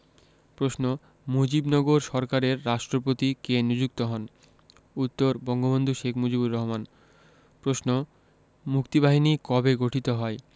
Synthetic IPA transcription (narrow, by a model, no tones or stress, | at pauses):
pɾosno | mod͡ʑibnɔɡoɾʃɔɾkaɾeɾːaʃʈɾopot̪ikenid͡ʑuk̚t̪oɦɔn | ut̪ːoɾbɔŋɡobond̪ʱuʃekʰmod͡ʑibuɾːɔɦoman | pɾosno | mukt̪ibaɦinikɔbeɡoʈʰit̪oɦɔe